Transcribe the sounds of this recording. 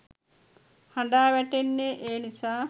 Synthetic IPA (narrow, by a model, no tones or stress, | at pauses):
haɳɖaːʋæʈenːeʔeːnisaː